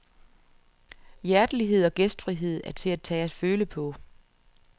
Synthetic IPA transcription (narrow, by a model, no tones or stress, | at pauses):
jæɐd̥əliɦe̝ð̞̰ˠɒ̽ɡ̥esd̥fʁiɦe̝ð̞̰ˠæɐt͡sʰe̝æ̥t͡sʰɛ̰ːæd̥føːləpʰɒ̽